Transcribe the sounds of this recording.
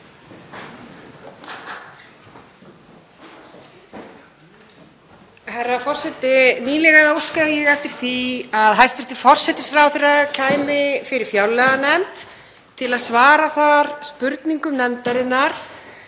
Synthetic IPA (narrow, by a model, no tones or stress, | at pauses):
hɛrːafɔr̥sɛt̪ɪniːlɛɣaðowskaðjɛɣɛft̪ɪɾ̥θiaðɦajst̪vɛɾ̥t̪ɪ̥fɔr̥sɛt̪ɪsraːwθɪɾacʰaːjmɪfɪɾɪɾ̥fjawlːɛɣanɛmt̪ | t̪ʰːɪlaðsvaːɾaθaɾspʏɾt̪niŋkʏmnɛmt̪aɾɪnːaɾ̥